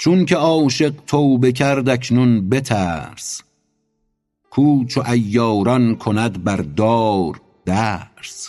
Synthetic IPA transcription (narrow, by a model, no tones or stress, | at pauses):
t͡ʃʰunkʲʰeɒːʃe̞ɢt̪ʰoːwbe̞cʰæɾd̪ækʰnunbe̞t̪ʰæɾs | kʰuːt͡ʃʰoʔæjːɒːɾɒnkʰonæd̪bæɾd̪ɒːɾ | d̪̥æːɾs